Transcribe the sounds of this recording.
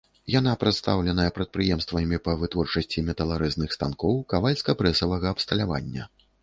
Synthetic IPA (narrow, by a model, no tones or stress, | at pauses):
janapɾɐt̪st̪awlʲɛnɐjɛpɾɐt̪̚pɾɨjɛmst̪vɐmʲipɐvɨt̪vɔrt͡ʂɐsʲt͡sʲimʲɛt̪ɐlˠaɾɛznɨxst̪ankɔwkavalʲskɐpɾɛsɐvɐɣɐːpst̪ɐlʲava̰nʲːɐ̰